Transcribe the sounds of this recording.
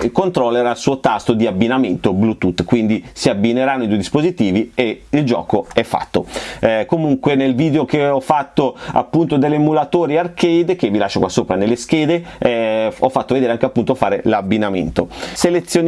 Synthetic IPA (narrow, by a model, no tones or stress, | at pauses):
kont̪ɾolːeɾalsuːot̪ast̪od̪iabːinament̪oblut̪ut̪kwind̪isiabːineɾanːoid̪uejd̪ispozit̪iːvieild͡ʒɔ̰ːkoɛfːa̰t̪ːokomuŋkwenelviːd̪eokeɔfːat̪ːoa̰pːunt̪od̪elːemulat̪oːɾiarkejd̪k̟evilaʃːokwasːoːpɾanelːesk̟eːd̪e | ɛɔfːat̪ːoved̪eːɾeaŋkeapːunt̪ofaːɾelabːinamḛnt̪oselet̪sːjon